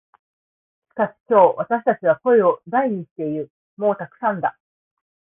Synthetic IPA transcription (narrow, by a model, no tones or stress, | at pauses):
ɕi̥kaɕi̥kʲo̞ːβat̪aɕi̥t̪at͡ɕiβ̞ako̞e̞o̞d̪aiɲ̟iɕi̥t̪e̞iɾɯ̟ | mo̞ːt̪akɯ̟̥sãnd̪a